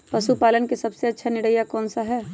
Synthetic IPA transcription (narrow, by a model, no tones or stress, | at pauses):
pɐʃupaːlənkesɐbseɐtːʃʰanɪɽəjakɔːnsaɦɛː